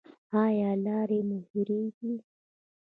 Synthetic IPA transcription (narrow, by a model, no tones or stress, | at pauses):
hajalaɾɛmuviɾidi